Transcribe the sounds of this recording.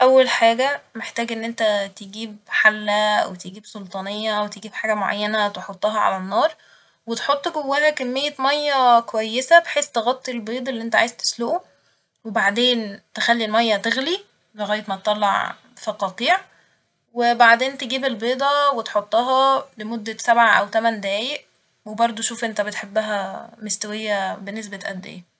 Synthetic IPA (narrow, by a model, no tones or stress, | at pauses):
ʔæwːælħaːɡæmeħt̪æːɡʔenːʔent̪æt̪eɡiːbħalːæwet̪eɡiːbsolt̪ˤɑnejːɑwet̪eɡiːbħaːɡæmoʕa̰jːænæt̪eħot̪ˤːɑɦɑʕa̰lænːɑːɾˤ | wet̪ħot̪ˤːɡowːæːnækæmːejːæmɑjːɑkowæjːesæbeħeːst̪eɣɑt̪ˤːilbeːd̪ˤelːiʔent̪æʕa̰ːjezt̪e̥sloʔu | webaʕd̪eːnt̪exælːilmæjːæt̪eɣli | leɣæjːet̪mæt̪et̪ˤːɑlːɑ̰ʕ | fɑqɑːt̪ˤiːʕ | webaʕd̪eːnt̪eɡiːbelbeːd̪ˤɑwet̪ħot̪ˤːɑɦɑlemod̪ːæsæbʕaʔæwt̪æmænd̪æːjeʔ | webɑɾˤd̪ˤoʃuːfʔent̪æbet̪ħebːæɦæmest̪æwejːæbenːes̬bæt̪ʔæd̪ːḛjːæ